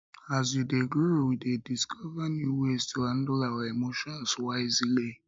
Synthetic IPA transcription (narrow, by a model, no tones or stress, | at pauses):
az̬judeɡɾuwidediskʰɔvanuuwestan̩dʊlawaemoʃɔ̃n̩swaɪzile